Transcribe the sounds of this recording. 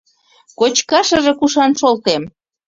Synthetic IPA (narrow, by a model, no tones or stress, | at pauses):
kot͡ɕkɑʃə̆ʒĕkuʃɑnʃolt̪em